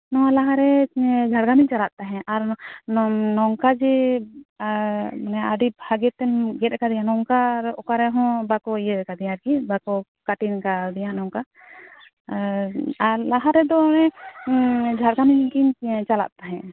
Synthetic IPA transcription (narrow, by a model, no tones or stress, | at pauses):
nɔalaɦaɾɛd͡ʒʱaɽɡamiɲt͡ʃalaʔt̪aɦɛ̃ʔaɾnnɔŋkad͡ʒɛ | manɛaɖibʱaɡɛt̪ɛnɡɛt̪̚kad̪ijãnɔŋkaɾɔkaɾɛɦɔ̃bakɔjɛkad̪ɛjaɾkibakɔ | kaʈinkad̪ɛjãnɔŋka | alaɦaɾɛd̪ɔnɛ | d͡ʒʱaɽɡamiɲkiɲt͡ʃala̰ʔ̚t̪aɦɛ̃